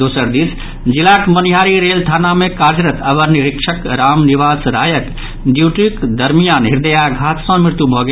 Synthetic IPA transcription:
d̪oːsəɾd̪iːs | d͡ʒilakməniɦaːɾiɾeːlt̪ʰaːnamẽkaɾd͡ʒɾət̪əbəɾniɾɪkʂʰəkɾaːmniʋaːsɾaːjət̪ | d̪juʈikd̪əɾmijaːnɦiɾd̪əjaɡʱaːt̪sɔ̃mɪɾt̪jubʱɔɡe

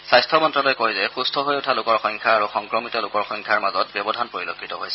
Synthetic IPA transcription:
sajstʰɔmɔntɹɔlojkoɦizɛxustʰɔɦojʊtʰalʊkɔɹxɔŋkʰaaɹuxɔŋkɹɔmitɔlʊkɔɹxɔŋkʰaɹmazɔt̚bjɔbɔdʱanpɹoɹilokʰːitɔɦojsɛ

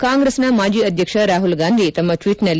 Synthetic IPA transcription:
kaːŋɡɾesnɐmaːd͡ʒiːɐd̪ʱjɐkʂɐɾaːɦulɡaːnd̪ʱit̪ɐmːɐʈʋiːʈnɐlː

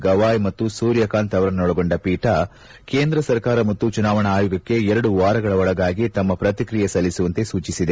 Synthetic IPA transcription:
ɡɐʋaːjmɐt̪ːusuːɾjɐkaːnt̪ɐʋɐɾɐnnɔɭɐɡoɳɖɐpiːʈɐ | ke̞ːnd̪ɾɐsɐɾkaːɾɐmɐt̪ːut͡ʃunaːʋɐɳɐːjuːɡɐkːe̞ɛɾɐɽuʋaːɾɐɡɐɭɐɔɭɐɡaːɡit̪ɐmːɐpɾɐt̪ikɾijɐsɐlːisuʋɐnt̪e̞suːt͡ʃisid̪e̞

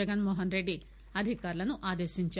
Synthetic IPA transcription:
ɐɡɐnmoːɦɐnɾeɖːi | ɐd̪ʱikaːɾulɐnuʔaːd̪eːʃiɲt͡ʃa

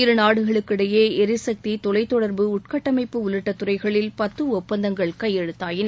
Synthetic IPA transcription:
ɪɾɯnaːɽɯɣɐɭɯkːɪɽɐjeːɛɾɪsɐk̚t̪it̪ɔlɐɪt̪ːɔɽɐɾbɯʊʈ̚kɐʈːɐmɐɪpːɯʊlɯʈːɐt̪ːʊrɐɪɣɐɭɪlpɐt̪ːɯʊp̚pːɐnd̪ɐŋɡɐɭkɐjɛɽɯt̪ːaːjɪn

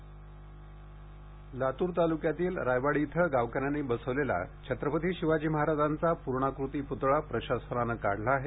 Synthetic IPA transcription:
lat̪uːɾt̪alukjat̪iːlɾajʋaɽit̪ʰəɡaʋkanjanebəsəʋlela̰t͡ɕʰət̪ɾəpət̪ʰiːɕiʋad͡ʑiːməɦaɾad͡zant͡sapuɾɳakɾut̪iːput̪ɭapɾəɕasənanəka̰ɽ̤laːɦe

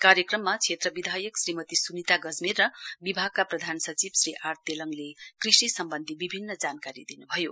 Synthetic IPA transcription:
kaɾjʌkrʌmːat͡sʰet̪rʌbid̪ʱajʌksrimʌt̪isunit̪aɡʌd͡zmirːʌbibʱaɡ̚kaprʌd̪ʱansʌt͡sibsriʔart̪jelʌŋlekrisisʌmbʌnd̪ʱibibʱinːʌd͡zankaɾḭd̪inubʱʌjo̰

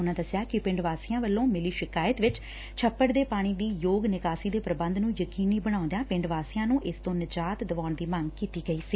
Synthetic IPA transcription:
ʊnãːd̪əsjaːkɪpɪ̃ɳɖʋaːsijãːʋəlːõːmɪliːʃɪkaːjət̪ʋɪt͡ʃ | t͡ʃʰəpːəɽd̪eːpaːɽ̃iːd̪iːjoːɡnɪkaːsiːd̪eːpɾəbənd̪nũːjəkiːniːbəɽ̃ãːʊ̃nd̪ejãːpɪɳɖʋaːsijãːnũːʔɪst̪õːnɪd͡ʒaːt̪d̪əʋaːɳd̪iːməŋɡkiːt̪iːɡəiːsiː

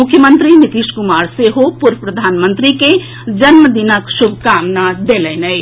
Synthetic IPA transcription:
mʊkʰjəmə̃nt̪ɾinɪt̪iʃkʊmaːɾseɦopʊɾəpɾəd̪ʱaːnmə̃nt̪ɾike | d͡ʒɐnməd̪inəkʃʊbʱkaːmnad̪eːlɛːnəj

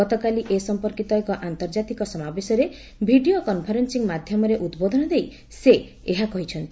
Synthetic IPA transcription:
ɔt̪ɔkaliʔesɔmpɔɾkit̪ɔekɔʔant̪ɔɾd͡ʒat̪ikɔsɔmabesɔɾe | bʱiɖiokɔnpʰɔɾensiŋmad̪ʱjɔmɔɾeʔud̪bod̪ʱɔnɔd̪ej | se | eɦakɔɦit͡ʃʰɔnt̪i

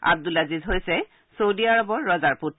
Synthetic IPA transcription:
a̰b̚d̪ulazizɦojsɛ | sowdiaɹɔbɔɹːɔzaɹput

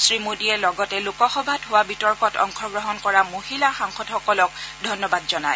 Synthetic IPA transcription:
sɹimodiɛlɔɡɔtɛlʊkɔxɔbʱatɦowabitɔɹkɔtɔ̰ŋkʰɔɡɹɔɦɔnkɔɹamohilaxaŋxɔdxɔkɔlɔk̚dʱɔnːɔbadzɔnaj

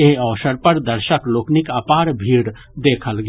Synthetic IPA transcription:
eɦɔːsəɾpɐɾd̪əɾʃəkloːknɪkaːpaːɾbʱiːɽ | d̪eːkʰəlɡ

